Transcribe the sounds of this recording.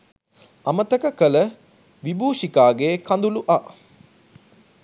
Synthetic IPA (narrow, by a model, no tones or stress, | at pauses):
ɐmət̪əkəkələ | ʋibʱuːʃikaːɡekand̪uluʔa